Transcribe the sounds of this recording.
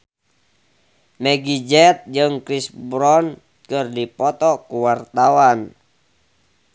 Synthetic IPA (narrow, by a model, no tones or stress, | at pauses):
mɛɡid͡ʒɛt̪̚d͡ʒɨŋkɾisbɾɔn | kɨrdipɔt̪ɔkuwart̪awan